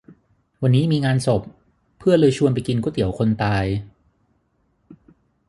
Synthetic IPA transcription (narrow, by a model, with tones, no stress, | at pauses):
wa˧nːiː˦˥miː˧ŋaː˧nso˨˩pʰː | ɯ˥˩ɐlɤː˧jt͡ɕʰu˧ənpa˨˩jki˧nku˦˥t̪i˩˦əwkʰo˧nt̪aː˧j